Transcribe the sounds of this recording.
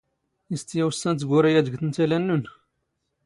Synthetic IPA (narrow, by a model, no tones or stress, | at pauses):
ist̪jæwəsːænt̪̬ɡʊɾijæd̪əɡθənt̪ælænːun